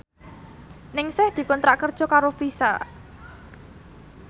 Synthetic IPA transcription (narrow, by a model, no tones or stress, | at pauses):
nɪŋsɪhd̪̥i̤kɔnt̪ɾaʔkərd̥ʒ̥ɔ̤kaɾofisa̰